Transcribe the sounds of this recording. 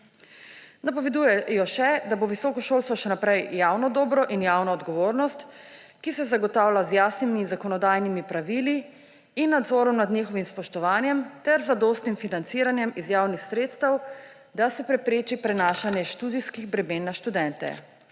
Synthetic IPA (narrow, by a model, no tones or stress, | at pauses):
napɔʋɛd̪uːjɛjɔʃɛd̪aboʋisɔːkɔʃoːlst̪ʋɔʃɛnapɾɛjjaːwnɔd̪ɔːbɾɔʔinjaːwnɔːd̪ɡɔʋoːɾnɔst̪ | kisɛzaɡɔt̪aːwlazjaːsniminzakɔnɔd̪aːjnimipɾaʋiliː | nːad̪zɔːɾɔmnad̪nixɔʋimspɔʃt̪ɔʋaːnjɛmt̪ɛɾzad̪ost̪nimfinant̪siɾanjɛmizjaːwnixsɾeːt̪st̪ɐw | d̪asɛpɾɛpɾeːt͡ʃipɾɛnaːʃanjɛʃt̪ud̪iskiɣbɾɛmeːnːaʃt̪ud̪ɛnt̪ɛ̰